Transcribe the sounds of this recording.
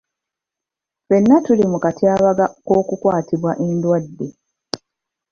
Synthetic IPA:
fe̞nːatulimukatʰiaːβaɡako̞ːkukwaːtiβwaʔendwadːe̞

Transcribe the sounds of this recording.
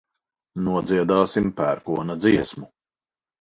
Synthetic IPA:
nuɔd̪ziɛd̪aːsimpæːɾkuɔnɐd̪ziɛsmu

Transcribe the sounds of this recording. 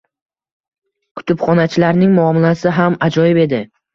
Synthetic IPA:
kʰʊ̥t̪ʰʊpχɒnat͡ʃʰɪlaɾnɪŋmʊɒmɪlasɪɦamad͡ʒɒjɪbe̞d̪ɪ

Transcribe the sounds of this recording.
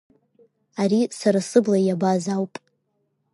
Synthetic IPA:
aɾisaɾasɨblajabazawpʼ

